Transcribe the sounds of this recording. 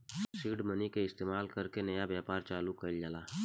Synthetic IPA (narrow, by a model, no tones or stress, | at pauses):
siːɖmənikeɪst̪eːmaːlkɐɾkenɐjabjaːpaːɾt͡ʃaːlukɐld͡ʒalaː